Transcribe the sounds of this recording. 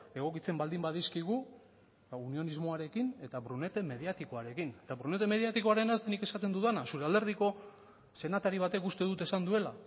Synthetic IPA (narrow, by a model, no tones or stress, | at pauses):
e̞ɣ̞o̞kit͡se̞mbald̪imbaðiskiɣ̞u | unio̞nizmo̞aɾe̞kine̞t̪aβɾune̞t̪e̞me̞ðiat̪iko̞aɾe̞kine̞t̪aβɾune̞t̪e̞me̞ðiat̪iko̞aɾe̞nazt̪enike̞sat̪e̞nd̪uðanasuɾe̞ald̪eɾð̞iko̞ | se̞nat̪aɾiβ̞at̪e̞kust̪e̞ðut̪e̞sand̪ue̞la